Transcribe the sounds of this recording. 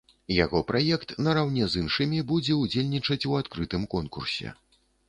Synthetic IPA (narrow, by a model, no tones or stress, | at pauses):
ja̰ɣɔpɾajɛkt̪nɐɾawnʲɛzɨnʂɨmʲibud͡zʲɛud͡zʲelʲnʲit͡ʂɐt͡sʲuat̪kɾɨt̪ɨmkɔnkursʲɛ̰